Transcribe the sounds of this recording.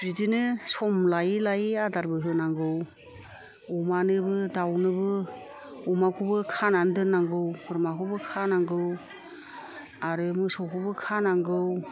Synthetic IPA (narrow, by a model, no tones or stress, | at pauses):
bɾizɯnɯsɔmlajlajadaɾbɯɦɯnaŋɡɯw | umanɯbɯdawnɯbɯ | umakʰubɯkʰanandɯnːaŋɡɯwkɯɾmakʰubɯkʰanaŋɡɯw | aɾɯmɯsɔkʰubɯkʰanaŋɡɯw